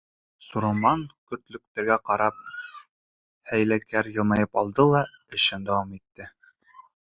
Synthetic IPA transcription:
suɾomɑŋkɵ̆ɾt̪lɵ̆k̚t̪æ̆ɾɡæqɑɾɑp̚ | hæjlækæɾjɤ̆lˠmɑjɤpɑlˠd̪ɤlˠɑɘ̆ʃɘnd̪æwɑmit̪ːɘ

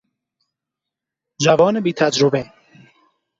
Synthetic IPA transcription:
d͡ʒævɒːnebiːt̪ʰæd͡ʒɾobe

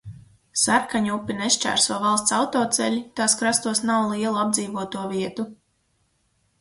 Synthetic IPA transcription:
saɾkaɲupʲːinɛʃt͡ʃæ̰ːɾsuɔvalˠst̪sawt̪ɔːt̪sɛ̰ʎʲit̪aːskɾast̪uɔsnawlˠiɛlˠuab̚d̪ziːvuɔt̪uɔviɛt̪u

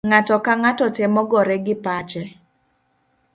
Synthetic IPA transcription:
ŋatɔkaŋatɔtemɔɡɔɾɛɡɪpat͡ʃɛ

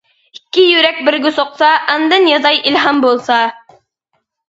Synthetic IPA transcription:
i̥kʲːɪjʉɾæk̚bɘ̆ɾɡʲʊsoqsɑʔɑnd̪ɑnjɑzɑjʔilɦɑmbolˠsɑ

